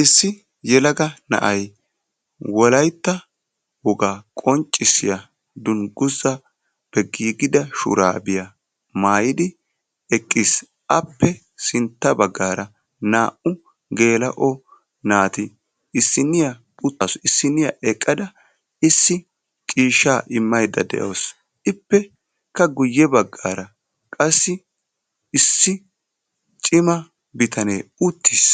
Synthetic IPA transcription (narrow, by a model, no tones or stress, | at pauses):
ʔɪsːɪ | jɛlɐɡɐnɐ̰ʔɐj | wɔlɐjt̪ːɐ | wʊɡaːkʼɔnt͡ʃʼːɪsːɪjɐ | d̪ʊnɡʊzːɐ | pɛɡiːɡɪd̪ɐʃʊ̰ɾa̰ːbɪjɐ | maːjɪd̪ɪ | ɛkʼːis | ʔɐpːɛ | sɪnt̪ːɐbɐɡːaːɾɐ | naːʔʊ | ɡe̞ːlɐʔɔ | naːt̪ɪ | ɪsːɪnːɪjɐ | pʼʊt̪ːɐsɔɪsːɪnːɪjɐ̰ʔɛkʼːɐd̪ɐ | ɪsːɪ | t͡ʃʼiːʃaːʔɪmːɐjd̪ɐ̰d̪ɛ̰ʔɐːs | ɪpːɛ | kɐɡʊjːɛbɐɡːaːɾɐ | kʼɐsːɪ | ɪsːɪ | t͡ʃʼɪmɐ | bɪt̪ʰɐnḛːʊt̪ʰːiːs